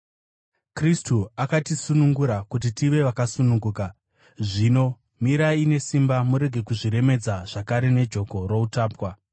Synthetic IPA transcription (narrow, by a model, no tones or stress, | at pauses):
kristuakatisunuŋɡuɾakut̬itiʋe̞ʋakasunuŋɡuːka | ʐino̞ | miɾaine̞simbamuɾe̞ɡʱe̞kuʐiɾe̞me̞d͡zaʐ̥akaɾe̞ne̞d͡ʒo̞ko̞ro̞utaːpwa